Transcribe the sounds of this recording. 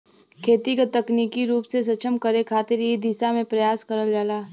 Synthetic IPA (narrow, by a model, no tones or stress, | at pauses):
kʰeːt̪ikat̪ɐkniːkiɾuːpses̬ɐt͡ʃʰəmkəɾekʰaːt̪ɪɾiid̪isamẽpɾɐjaːskɐɾəld͡ʒaːlaː